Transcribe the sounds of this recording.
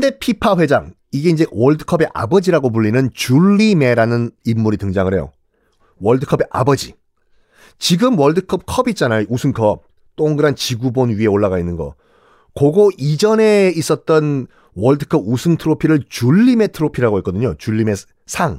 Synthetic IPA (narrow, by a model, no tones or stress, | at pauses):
kɯnde̞pʰipʰaɸwe̞d͡ʑaŋ | iɡe̞ind͡ʑe̞wʌɭdɯkʰʌbe̞ʔa̰bʌd͡ʑiɾaɡop̬uɭːinɯnt͡ɕuʎːime̞ɾanɯnimːuɾitɯŋd͡ʑaŋɯɾɦe̞jo̰ | wʌɭdɯkʰʌbe̞ʔa̰bʌd͡ʑi | t͡ɕiɡɯmwʌɭdɯkʰʌp̚kʰʌbit͡ɕ͈anajoʔusʰɯnkʰʌp̚ | t͈oŋɡɯɾant͡ɕiɡubonɥiɦe̞oɭːaɣainːɯnɡʌ̰ | kʌɡoid͡ʑʌne̞is͈ʌt̚t͈ʌn | wʌɭdɯkʰʌbusʰɯntʰɯɾopʰiɾɯɭt͡ɕuɭːime̞tʰɯɾopʰiɾaɡoɦik͈ʌdɯɲot͡ɕuʎːime̞ | sʰaŋ